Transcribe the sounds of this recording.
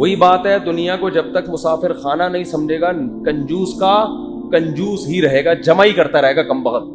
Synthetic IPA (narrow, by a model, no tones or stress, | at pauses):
ʋoːibaːt̪ɦɛd̪ʊnijãkod͡ʒɐb̚t̪ɐkmʊsaːfɪɾxaːnanɐɦĩsɐmd͡ʒʱeːɡakɐ̃ɲd͡ʒuːska | kɐ̃ɲd͡ʒuːsɦiɾɐɦeːɡad͡ʒɐmaːikɐɾt̪aɾɐɦeːɡakɐmbɐɣət̪̚